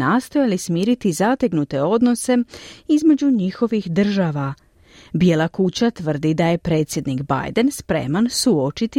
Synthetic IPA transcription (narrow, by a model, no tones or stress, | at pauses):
nast̪o̞jalismiːɾit̪izat̪eɡnut̪e̞o̞d̪no̞se̞izme̞d͡ʑuɲixo̞ʋixd̪r̩ʒaʋa | bje̞lakut͡ɕat̪ʋər̩d̪id̪aje̞pɾe̞ːt̪sʲje̞d̪niɡba̰jd̪e̞nspɾe̞̰mansuo̞t͡ʃit̪i